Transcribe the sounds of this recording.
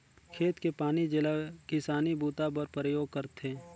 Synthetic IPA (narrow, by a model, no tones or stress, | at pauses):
kʰeːt̪kepaːnid͡ʒɪlakɪsaːnibʱuːt̪apəɾpɾəjoːɡ̚kəɾt̪ʰeː